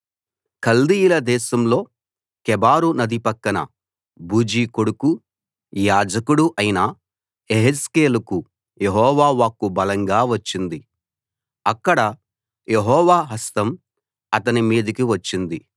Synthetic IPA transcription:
kɐld̪ijilɐd̪ɛːʃɐmlo̞ː | kɛbaːɾunɐd̪ipɐkːɐnɐ̰ | buːd͡ʒiːkoɽuku | jaːd͡ʒɐkuɽuʔɐjinɐ | eɦeskeːlɐku | jeɦɔːʋaːʋaːkubɐlɐŋɡaːʋɐt͡ʃːind̪i | ɐkːɐɽɐ | jeɦɔːʋaːɦɐst̪ɐm | ɐt̪ɐnimiːd̪ɐkiʋɐt͡ʃːind̪i

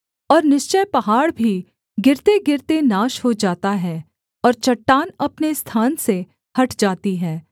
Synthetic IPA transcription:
ɔːɾnɪʃt͡ʃəjpɐɦaːɽbʱi | ɡɪɾt̪eɡɪɾt̪enaːʃɦod͡ʒaːt̪aɦɛː | ɔːɾt͡ʃɐʈːaːnɐpnest̪ʰaːnse | hɐʈd͡ʒaːt̪iɦɛː

